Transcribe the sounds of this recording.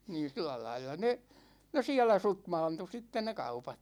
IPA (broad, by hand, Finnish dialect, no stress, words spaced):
niːn̞ silːæ lɑilːɑ ne ne siæ̝læ sutmɑːntu sitːen ne kɑupɑt